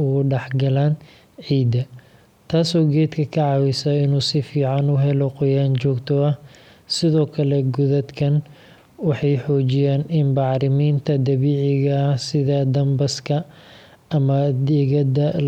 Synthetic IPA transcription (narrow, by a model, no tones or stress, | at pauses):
ʊɣʊɖɛħɡɐlaːn | ʕiːd̪ɐ | t̪ʰaːsɔːɡɛːd̪kʰɐkʰɐʕɑːwɪsɐɪnuːsɪfiːʕɑnʊɦɛlɔqʊjaːnt͡ʃɔːɡt̪ʰɔɐh | sɪðɔːkʰɐlɛɡʊðɐd̪kʰɐn | wɑħɑjħɔːt͡ʃɪjaːnɪnbɑʕɾɪmiːnt̪ʰɐd̪ɐβiːʕɪɣɐhsɪðɐd̪ɐmbɐskʰɐ | ɐmɐd̪ɛːɣɐd̪ɐ